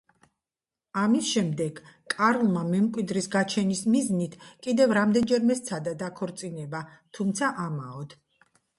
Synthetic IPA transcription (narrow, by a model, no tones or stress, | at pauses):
amisʃɛmd̪ɛɡ̥kʼaɾlˠmamɛmkʼwid̪ɾisɡat͡ʃʰɛnismiznit̪ʰkʼid̪ɛvɾamd̪ɛnd͡ʒɛɾmɛst̪sʰad̪ad̪akʰɔɾt̪sʼinɛbat̪ʰumt̪sʰaʔamaɔd̪̥